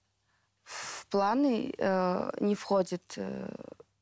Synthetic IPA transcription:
fplˠanɨ | nʲɪfxodʲɪt̪

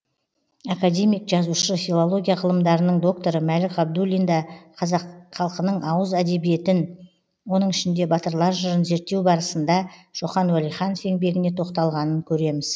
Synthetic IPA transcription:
akad̪e̞mijkʒɑzuʃəfʲilˠo̞lˠo̞ɡʲijaʁəlˠəmd̪ɑɾənəɴd̪o̞k̚t̪o̞ɾəmælɪkɑb̚d̪ulʲind̪ɑqʰɑzɑqχɑlˠqənəɴɑwəzæd̪e̞bije̞t̪ɪn | wo̞nəɴɪʃɪnd̪e̞bɑt̪əɾlˠɑɾʒəɾənze̞ɾt̪ːe̞wbɑɾəsənd̪ɑʒ̥o̞χɑnwælijχɑnofe̞ŋbe̞ɡʲɪne̞t̪ʰo̞qt̪ɑlˠʁɑnəŋkʲʰɵɾe̞mɪz̥

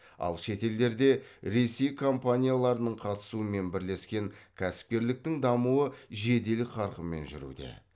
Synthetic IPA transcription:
ɑ̰lˠʃe̞t̪e̞ld̪e̞ɾd̪e̞ɾe̞se̞jkʰo̞mpanʲijalˠɑɾənəɴqʰɑt̪ə̥suəme̞nbɪɾle̞skʲe̞ŋkʲʰæsɪ̥p̚kʲe̞ɾlɪk̚t̪ɪŋd̪ɑmuəʒe̞d̪e̞lɪqʰɑɾqəme̞̰nʒʏ̰ɾṵd̪e̞̰

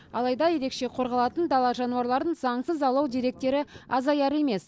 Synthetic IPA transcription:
ɑ̰lˠɑjd̪ɑje̞ɾe̞kʃe̞qʰo̞ɾʁɑlˠɑt̪ənd̪ɑlˠɑʒɑnuɑɾlˠɑɾd̪ənzɑɴsəzɑlˠɑwd̪iɾe̞k̚t̪e̞ɾɪɑzɑjɑɾe̞me̞s

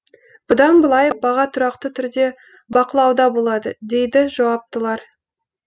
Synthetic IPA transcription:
b̥ʊd̪ɑnbəlˠɑjbɑʁɑt̪ʰʊɾɑqt̪ət̪ʰʏɾd̪e̞ | bɑqəlˠɑwd̪ɑbo̞lˠɑd̪əd̪e̞jd̪ɪʒɑwɑp̚t̪əlˠɑɾ

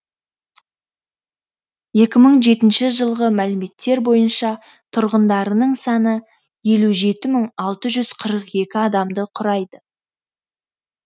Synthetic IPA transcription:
je̞kʲɪməɴʒe̞t̪ɪnʃɪʒəlˠʁəmælɪme̞t̪ːe̞ɾbo̞jənʃɑ | t̪ʰʊɾʁənd̪ɑɾənəɴsɑnə | je̞luʒe̞t̪ɪməɴɑlˠt̪əʒʏz̥qʰəɾəqe̞kʲɪɑd̪ɑmd̪əqʰʊɾɑjd̪ə

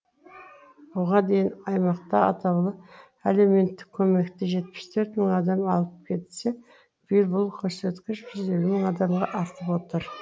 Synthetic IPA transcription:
woʁɑd̪e̞jɪnɑjmɑq̚t̪ɑɑ̰t̪ʰɑwlˠəp | ele̞me̞nt̪ːɪ̥kʲʰːɵme̞kt̪ɪʒe̞t̪̚pɪ̥st̪ʰɵɾt̪məŋɑd̪ɑmɑlˠəp̚kʲʰe̞t̪se | b̥ɪjɪlbʊlˠkʲʰɵɾse̞t̪kʲɪʃʒʏze̞lumɪŋɑd̪ɑmʁɑʔɑɾt̪əpwo̞t̪əɾ

